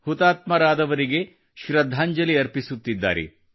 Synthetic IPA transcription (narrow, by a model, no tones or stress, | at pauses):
hut̪aːt̪mɐɾaːd̪ɐʋɐɾiɡe̞ | ʃɾɐd̪ʱːaːɲd͡ʒɐliɐɾpisut̪ːid̪ːa̰ːɾḛ